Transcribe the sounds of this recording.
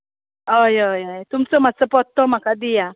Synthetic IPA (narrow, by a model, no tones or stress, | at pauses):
əjəjəjt̪umt͡sɔmat͡səpɔt̪ːɔm̤akad̪ija